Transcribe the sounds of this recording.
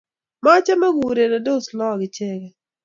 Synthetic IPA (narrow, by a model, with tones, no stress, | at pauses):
ma˦t͡ʃa˦ma˦ɡu˨ɾe˨na˨do˦˨slɔ˦˨ɡɪ˨t͡ʃɛ˦ɡɛ˨